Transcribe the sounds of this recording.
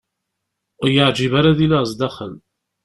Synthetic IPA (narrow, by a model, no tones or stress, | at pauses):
jəʕd͡ʒiβaɾaðilazˤd̪ɑχən